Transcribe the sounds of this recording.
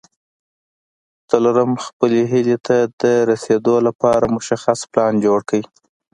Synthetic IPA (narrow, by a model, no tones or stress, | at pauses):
t͡saloɾəmxpəleɦilet̪ʰad̪əɾased̪olapɑɾamʊʃaxasplɑnd͡ʒoɽkəwi